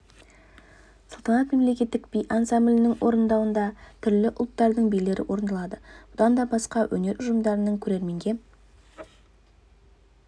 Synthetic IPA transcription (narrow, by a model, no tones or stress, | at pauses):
səlˠt̪ʰənɑt̪me̞mlekʲe̞t̪ːɪk̚bijʔansamblʲɪnɪŋwo̞ɾənd̪ɑwənd̪ɑt̪ʰʏɾlɪʔʊlˠt̪ːɑɾd̪əɴbijle̞ɾɪ̰wʔo̞ɾənd̪ɑlˠɑd̪əb̥ʊd̪ɑnd̪ɑbɑsqɑwʔɵ̰ne̞ɾʔʊʒəmd̪ɑɾənəɴkʲʰɵɾe̞ɾme̞ŋɡʲe̞